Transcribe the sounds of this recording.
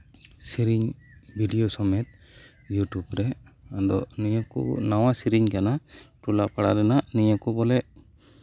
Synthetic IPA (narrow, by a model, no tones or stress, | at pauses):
siɾiɲ | bʱiɖijosɔmɛt̪̚ | juʈubɾɛad̪ɔniɲɔkɔ̰nawasiɾiɲkanaʈulapaɽaɾɛnaniɲakɔbɔlɛ